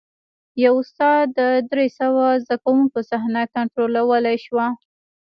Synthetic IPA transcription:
jawʊst̪ɑd̪d̪əd̪ɾesəwazd̪akawuŋkosahnakaɳʈɾolawəlajʃwa

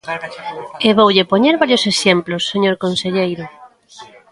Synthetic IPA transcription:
eβowʎepoɲeɾβaɾjoseʃemplosːeɲoɾkonseʎejɾʊ

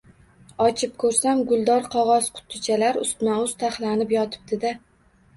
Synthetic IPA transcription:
ɒt͡ʃʰɪp̚kʰɵɾsamɡʊlˠd̪ɒɾqʰɒʁɒz̥qʰʊ̥t̪ʰːɪt͡ʃʰalaɾʊst̪maʊz̥t̪ʰaχlanɪpjɒt̪ʰɪ̥b̚d̪ɪd̪a

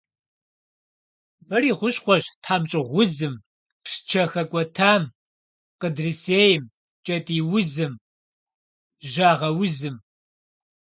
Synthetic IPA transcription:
mɨriːʁʷʊɕχʷɔʒtʰħaːmt͡ʃʼɪʁʷʊzɨm | pʂt͡ʃʰɐxɐkʷʼɔtʰaːm | qədriseːjɪm | t͡ʃʼɐtʼiːwʊzɨm | ʒaːʁɐwʊzɨm

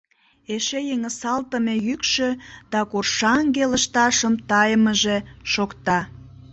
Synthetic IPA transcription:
eʃejeŋəsɑlt̪əmejykʃød̪̥ɑkorʃɑŋɡeləʃt̪ɑʃəmt̪ɑjəməʒeʃokt̪ɑ

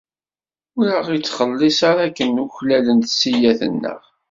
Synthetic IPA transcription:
ʊɾəʁit͡sːχəlːisaɾækːənuçlælənt̪sijæθə̰nːə̰ʁ

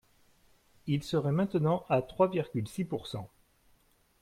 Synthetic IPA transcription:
ilsəʁɛmɛ̃t̪nɑ̃ʔat̪χwaviʁɡʲylsipuʁsɑ̃

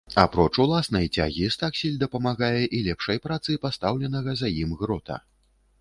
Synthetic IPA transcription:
apɾɔt͡ʂulˠasnɐjt͡sʲa̰ɣʲist̪aksʲilʲd̪ɐpɐmaɣajɛʔilʲɛpʂɐjpɾat̪sɨjpast̪awlʲɛnɐɣɐzɐjimɣɾɔt̪ʰɐ̰

